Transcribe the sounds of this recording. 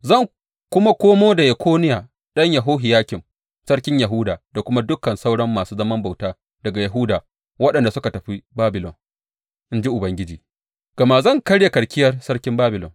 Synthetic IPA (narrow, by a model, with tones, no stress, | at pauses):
zɐ˦˨ŋ | kʷʊ˦ma˦kʷoː˦moː˦da˨jɪ˨kʷʰoː˦nɪ˦jaː˨ | ɗɐ˦ɲja˨ɦoː˦ɦɪ˨jaː˦kʲɪ˨m | sɐ˦ɽkʲɪ˦ɲjɐ˨ɦʊ˦daː˨da˨kʷʊ˦ma˦dʊ˦kɐ˨nsa˦wɽɐ˦mːaː˨suː˦zɐ˦mɐ˦mba˨wtaː˦ | d̥ɐ˨ɡa˨jɐ˨ɦʊ˦daː˨ | wɐ˦ɗɐ˨nda˨sʊ˦ka˨tɐ˨ɸi˦baː˦bɪ˨lɔ˨n | ʔɪ˦nd͡ʒi˦ʔʊ˨bɐ˦ŋɡʲɪ˦d͡ʒiː˨ | ɡ̥ɐ˨maː˦zɐ˦˨ŋkɐ˦ɽja˨kɐ˨ɽkʲɪ˦jɐ˦rsɐ˦ɽkʲɪ˦mbaː˦bɪ˨lɔ̰˨n